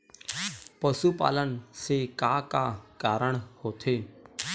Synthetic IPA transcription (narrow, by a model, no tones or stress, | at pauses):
pəsupa̰ːlənsekakakaːɾəɳ̃hoːt̪ʰe